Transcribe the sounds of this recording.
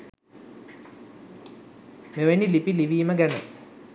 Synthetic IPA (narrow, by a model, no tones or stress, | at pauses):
meʋenilipiliʋiːməɡænə